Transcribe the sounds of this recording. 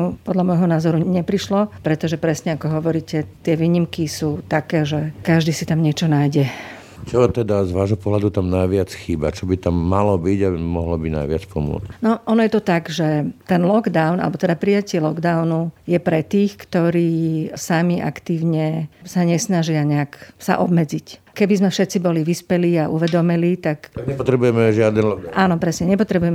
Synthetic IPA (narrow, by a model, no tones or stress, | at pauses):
pɔd̪ʎamɔjɦɔnaːzɔɾuɲɛpɾiʃlɔpɾɛt̪ɔʒɛpɾɛsɲɛakɔɦɔʋɔɾiːcɛt̪ɪɛʋiːɲimkisuːt̪akɛːʒɛkaʒd̪iːsit̪amɲɪɛt͡ʃɔnajɟɛ | t͡ʃɔt̪ɛd̪azʋaːʒɦɔpɔɦlad̪ut̪amnajʋɪat͡sxiːba̰t͡ʃɔbit̪amːalɔbiɟamɔɦlɔbina̰jʋɪat͡spɔmʊɔ̰t͡scnɔʔɔnɔjɛt̪ɔt̪aɡʒɛt̪ɛnlɔɡd̪aʊnʔa̰lɛbɔt̪ɛd̪apɾijacɪɛlɔɡd̪aʊnujɛpɾɛt̪iːxkt̪ɔɾiːsamiʔa̰kt̪iːʊɲɛsaɲɛsnaʒɪaɲɛaksa̰ʔɔ̰bmɛd͡zic | kɛbizmɛfʃɛt̪t͡sibɔliʋispɛliːaʔṵʋɛd̪ɔmiliːt̪akɲɛpɔt̪ɾɛbujɛmɛʒɪad̪ɛnlɔʔaːnɔpɾɛsɲɛɲɛpɔt̪ɾɛbujɛmɛ